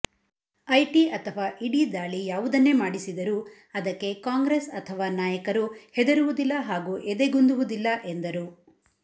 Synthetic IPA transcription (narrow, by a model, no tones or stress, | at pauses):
ɐjʈiɐt̪ʰɐʋaːʔiɽid̪aːɭijaːʋud̪ɐnːe̞maːɽisid̪ɐɾu | ɐd̪ɐkːe̞kaːŋɡɾesɐt̪ʰɐʋaːnaːjɐkɐɾuhɛd̪ɐɾuʋud̪ilːɐɦaːɡuːʔed̪e̞ɡund̪uʋud̪ilːɐʔe̞nd̪ɐɾu